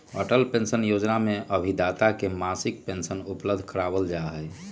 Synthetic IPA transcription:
ə̰ʈəlpẽnsənjod͡ʒnamẽʔəbʱid̪at̪akemasɪk̚pensənupləbd̪ʱkəɾaːbəld͡ʒaɦɛj

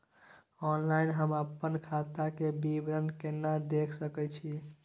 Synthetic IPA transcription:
ɔnlainɦəməpːənkʰat̪akebibɾənkenːad̪ekʰsəkɛt͡ʃʰi

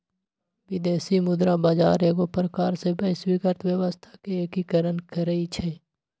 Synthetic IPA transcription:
ʋɪd̪eːsimʊd̪ɾabaːd͡ʒaːɾeːɡopɾəkaːɾsebəswikəɾt̪wjəʋəst̪ʰḁkeeːkikəɾənkəɾəit͡ʃʰɛː

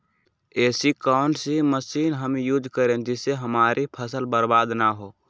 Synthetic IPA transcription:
eːsikɔʊnsiməsiːnɦəmjud͡ʒkəɾẽnd͡ʒɪseɦəmaːɾʔipʰəsəlbəɾbaːd̪naɦoː

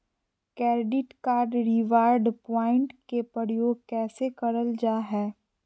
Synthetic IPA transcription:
kɛːɾɖɪʈkaːɾɖɾɪʋaːɾɖpɔːɪ̃ɳʈkepɾəɾjoːɡ̚kɛːsekɐɾəld͡ʒaːɦɛː

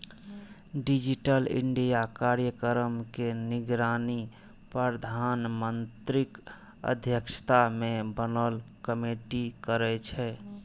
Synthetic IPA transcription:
ɖid͡ʒiʈəlɪ̰ɳɖijakaɾjəkəɾəmkenɪɡɾaːni | pɾəd̪ʱanmənt̪ɾɪk | ə̰d̪ʱjəkʃə̥t̪amẽbənəlkəmeʈikəɾɛt͡ʃʰɛ

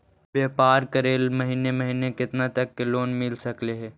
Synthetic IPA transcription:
bjeːpaːɾkɐɾeːlmɐɦiːnemɐɦiːnekɪt̪nat̪ɐkːeloːnmɪlsɐkleɦɛː

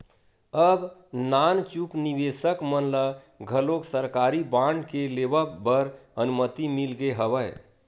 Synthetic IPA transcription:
əbnant͡ʃuknibesəkmənlə | ɡʱəloksəɾkaɾibaɳɖkelebəbəɾənumət̪imilɡeɦəbəj

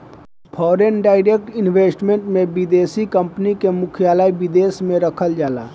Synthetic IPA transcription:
pʰɔːɾenɖaːɪɾek̚ʈɪnʋweːsʈmẽɳʈmẽbɪd̪eːsikə̃mpnikemʊkʰijaːlaːibɪd̪eːsmẽɾəkʰəld͡ʒaːla̰ː

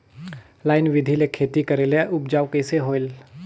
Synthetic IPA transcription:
laːɪnʋɪd̪ʱilekʰeːt̪ikəɾeleʔʊpd͡ʒaːʋkeːseɦoːɪl

